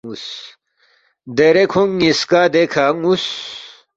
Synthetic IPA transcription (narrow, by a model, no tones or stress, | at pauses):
us | d̪eɾekʰoŋiskaːd̪ekʰaŋus